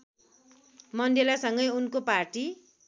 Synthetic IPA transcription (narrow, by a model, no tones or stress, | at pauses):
mʌndelasʌŋɡʌjunkoparʈi